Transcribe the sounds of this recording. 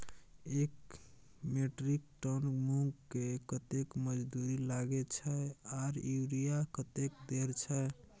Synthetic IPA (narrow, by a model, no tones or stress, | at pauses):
ek | meʈɾik̚ʈənmuŋɡkːekət̪ekməd͡ʒd̪uɾilaɡet͡ʃʰəaɾiɾijakət̪ekd̪eɾt͡ʃʰə